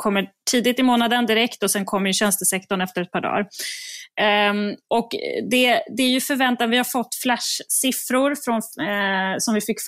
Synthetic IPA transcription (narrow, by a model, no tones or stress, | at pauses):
kʰɔmːəʈʰiːd̪ɪt̪ɪmoːnad̪ənd̪ɪɾɛkt̪ɔsɛnkʰɔmːjɵɕɛnst̪əsɛkt̪ɔɳɛft̪əɾɛt̪̚pʰɑːɖɑ̰ːɾ | ʔɔkd̪ɛd̪ɛæɾjɵfœɾvɛnt̪avɪhaɾfɔt̪ːflæʂsɪfɾʊɾfɾɔn | sɔmvɪfɪkːf